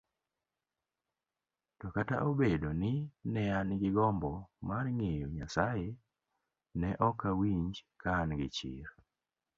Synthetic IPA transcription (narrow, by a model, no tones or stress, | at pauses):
tɔkata̰ʔobedonɪnɛanɪɡɪɡɔmbɔmarŋejoɲasaje | nɛʔɔkawiɲd͡ʒkanɡɪt͡ʃɪ̰ɾ